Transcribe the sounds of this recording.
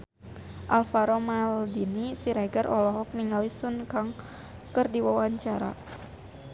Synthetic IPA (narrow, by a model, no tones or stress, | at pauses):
ʔalfaɾɔmaldinisiɾaɡarʔɔlɔɦɔk̚niŋalisunkaŋ | kɨrdiwawaɲt͡ʃaɾa̰